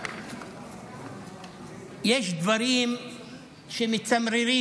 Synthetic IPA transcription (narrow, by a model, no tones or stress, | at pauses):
jeʃd̪vaɾim | ʃemit͡samɾiɾi